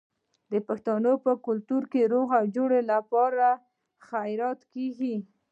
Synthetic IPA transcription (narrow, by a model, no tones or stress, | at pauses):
d̪əpaxt̪ɑnopəkʊlt̪uɾkeɾoɣawd͡ʒoɽelapɑɾa | xajɾɑt̪keɡi